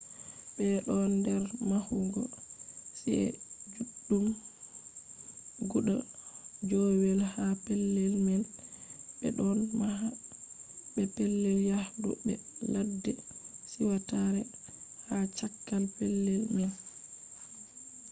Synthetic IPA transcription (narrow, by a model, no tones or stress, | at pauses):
bɛɗɔndɛɾmahuŋɡɔsiɛ̰d͡ʒuɗːum | ɡuɗad͡ʒɔwɛlhapɛlːɛlmɛn | bɛ̰ɗɔnmaɦa | bɛpɛlːɛljahdɔ̰bɛ̰ladːɛsiwataɾɛhat͡ʃakːalpɛlːɛlmɛn